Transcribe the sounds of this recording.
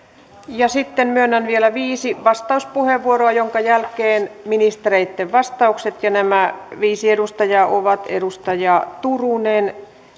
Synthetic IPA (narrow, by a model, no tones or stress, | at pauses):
jɑsit̪ːemmyønːænʋielæʋiːsiʋɑst̪ɑuspuheʋʋuoroɑjoŋkɑjælkeːnminist̪ereit̪ːeʋʋɑst̪ɑukset̪jɑnæmæʋiːsiedust̪ɑjɑʔo̰ʋɑt̪ḛdust̪ɑjɑt̪urunen